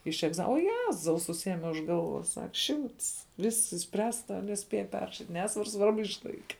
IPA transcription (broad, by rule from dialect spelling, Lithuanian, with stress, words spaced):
ɪʃ ɛɡˈzɐ oː ˈjæːzɐʊ sʊˈsʲiɛmʲɛ ʊʃ ˈɡɐlˠˌʋoːs ˈsɐk ˈʃʲɪmts ˈʋʲɪsks ɪʃʲsʲˈpʲrʲæːstɐ nʲɛˈsʲpʲeːjɛ ˈpʲɛrrɐʃʲɪtʲ ˈnʲæːsʋɐr ˈsʋɐrbʊ ɪʃˈlˠɐɪkʲɛ